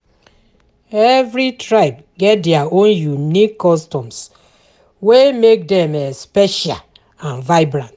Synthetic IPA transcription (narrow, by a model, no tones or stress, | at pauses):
ɛvɾitɹaɪp | ɡɛt̚dɛaõnjunikːɔstɔ̃ms | wemek̚dɛ̃mespɛʃa̰l | ãnvaɪbɾãnt